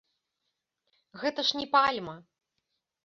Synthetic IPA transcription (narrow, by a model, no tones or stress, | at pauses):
ɣɛt̪ɐʂnʲɛpalʲmɐ